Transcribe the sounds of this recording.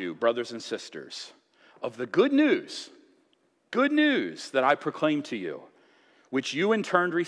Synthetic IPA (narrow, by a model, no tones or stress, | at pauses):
ɨ̰bɹʌðə˞zɨ̃nsɪstə̰˞z̥ | ʌvðɨɡʊdⁿnʉz̥ | ɡ̥ʊdⁿnʉz̥ðɨɾaɪpʰɹ̥okʰl̥ẽɪ̃mtʰɨjʉ̰ | wɨt͡ʃjɨɨ̃ntʰɜ̃˞nɹi